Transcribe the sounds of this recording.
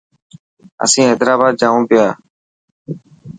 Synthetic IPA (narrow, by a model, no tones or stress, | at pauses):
ə̰sĩːɦeːd̪ɾaːbaːd̪̚d͡ʒaːũːpɪjaː